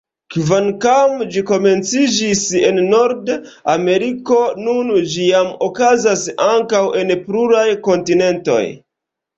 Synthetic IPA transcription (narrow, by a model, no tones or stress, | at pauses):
kvankamd͡ʒiko̞me̞nt͡sid͡ʒise̞nːo̞ɾdame̞ɾiko̞nund͡ʒijamo̞kazasaŋkawe̞npɾuɾajko̞ntine̞nto̞̰j